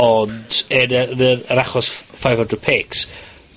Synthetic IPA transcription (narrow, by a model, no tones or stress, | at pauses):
ɔndənəəəɾaχɔsfajvə̃ndrəd̥̚pʰeːks